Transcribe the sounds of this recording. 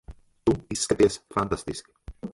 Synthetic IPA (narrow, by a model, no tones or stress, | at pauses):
t̪uiskət̪eesfant̪ast̪isk